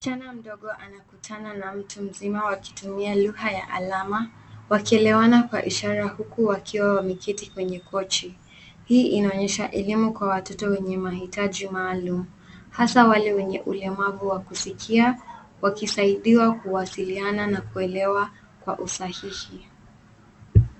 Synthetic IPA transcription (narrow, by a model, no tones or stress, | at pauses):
t͡ʃanam̩ɗɔɠɔʔanakutʰananam̩tum̩zimawaki̥tumialuhajaʔa̰lama | wakiɛlɛwanakwa̰ʔiʃaɾahukuwakʰiwawamikʰitikwɛɲɛkʰɔt͡ʃi | hiːʔinaɔɲɛʃaʔɛlimukwawatɔtɔwɛɲɛmahitaʄimaːlumu | hasawalɛwɛɲɛʔulɛmavuwakusikʰia | wakisaiɗiwakuwasiliananakuɛlɛwa | kwa̰ʔusahihi